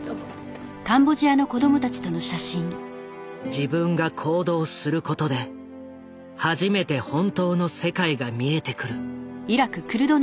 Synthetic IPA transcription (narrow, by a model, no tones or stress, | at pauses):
kãmbo̞ʑiano̞ko̞d̪o̞mo̞t̪at͡ɕi̥t̪o̞no̞ɕaɕĩŋ | d͡ʑibɯ̟̃ŋɡakʰo̞ːd̪o̞ːsɨɾɯ̟ko̞t̪o̞d̪e̞ | haʑime̞t̪e̞hõ̞nt̪o̞ːno̞se̞kaiɡamʲie̞t̪e̞kɯ̟ɾɯ̟iɾakɯ̟kɯ̟ɾɯ̟d̪o̞